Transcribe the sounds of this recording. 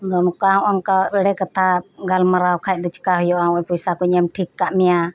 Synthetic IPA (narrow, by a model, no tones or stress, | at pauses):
dɔnukaũʔɔnkaɾəɽɛkat̪ʰaɡalmaɾawkʰajt̪̚d̪ɔt͡ʃi̥kaɦujɔʔaũɔpɔjsakɔɲəmʈʰikːaʔmɛja